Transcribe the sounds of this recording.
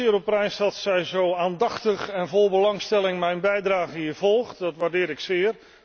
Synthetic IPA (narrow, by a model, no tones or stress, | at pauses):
ɪːɾɔprɛjsɑtsɛjzowaːndɑχtəχɛnvolˠbəlɑŋstɛlˠɪŋmɛjnbɛjdraːɣəɦiəv̥ɔlˠχtdɑtʋardɪːɾɪksɪːər